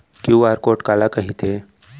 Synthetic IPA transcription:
kiuaːɾkoːʈkaːlakɐɦit̪ʰeː

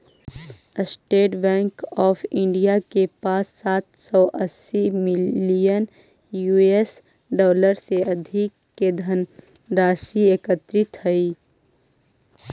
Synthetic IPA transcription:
sʈeːʈbɛ̃ːŋkɔːfʰɪ̃ɳɖijakepaːsːaːt̪sɔʔəsːimɪijən | juːes | ɖɔːləɾseɐd̪ʱɪkːed̪ʱən | ɾaːʃieːkət̪ɾɪt̪ʰhɐiː

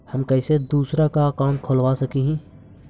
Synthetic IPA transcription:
hɐmkɛːsed̪uːsɾakakaːmkʰoːlʋaːsɐkiɦɛ̃ː

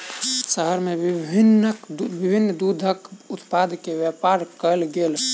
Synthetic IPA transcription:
səɦəɾmebibʱinəkbibʱinːd̪ud̪ʱəkʊt̪pad̪keʋjɛpaɾkəlɡel

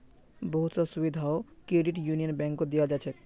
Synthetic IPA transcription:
bɔɦut̪sɔsubid̪ʱaokɾeɖiʈjunijənbɛ̃ŋkːod̪ijad͡ʒat͡ʃʰɛ

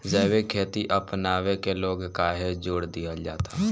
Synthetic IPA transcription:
zɛːʋekʰeːt̪iʔəpnaːʋekeloːɡkaːɦed͡ʒoːɽd̪ijad͡ʒaːt̪aː

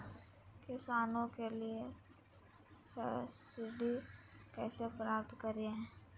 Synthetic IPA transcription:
kɪsaːnõkelie | sɪɖikɛːsepɾaːp̚t̪kɐɾiɦɛ̃ː

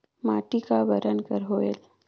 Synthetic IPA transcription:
maʈikabəɾənkəɾɦoel

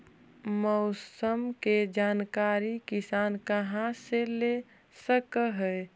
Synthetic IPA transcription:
mɔʊsəmked͡ʒaːnkaːɾikɪsaːnkəɦãsele | səkɦɛ

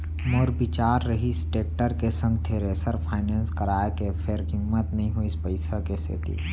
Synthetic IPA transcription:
moːɾbɪt͡ʃaːɾːəɦisʈeːk̚ʈəɾkesə̃ŋɡ̚t̪ʰeːɾesəɾpʰaːɪneːnskəɾaːekepʰeɾɦɪmːət̪nɐɦĩɦoiɪspəɪsəkesḛːt̪ḭː

